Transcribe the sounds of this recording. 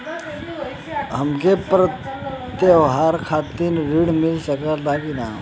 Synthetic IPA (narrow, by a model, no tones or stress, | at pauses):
ɦəmkepɾət̪jeʋɦaːɾkʰat̪inɾiɽmilsəkət̪akina